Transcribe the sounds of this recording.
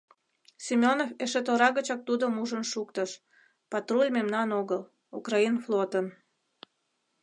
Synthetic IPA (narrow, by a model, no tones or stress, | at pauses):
simʲonofeʃet̪oɾɑɣət͡ɕɑk̚t̪ud̪omuʒənʃukt̪əʃ | pɑt̪rulʲmemnɑnoɣəl | ṵkrɑinflot̪ən